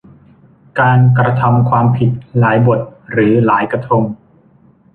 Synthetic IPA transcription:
kaː˧nkɾa˧t̪ʰa˧mkʰwaː˧mpʰi˨˩t̪̚laː˩˦jbo˨˩t̪̚ɾɯː˩˦laː˩˦jkɾa˧t̪ʰo˧m

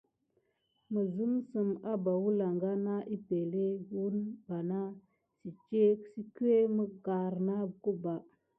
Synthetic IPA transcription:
mə˨zu˦msə˨ma˦ba˨wu˦la˨ŋɡa˦na˦ʔi˦pe˨le˦wu˦nba˨na˦ | si˨t͡ʃe˦ksi˦ku˦e˦mə˦ɡa˨ɾna˦bku˦ba˨

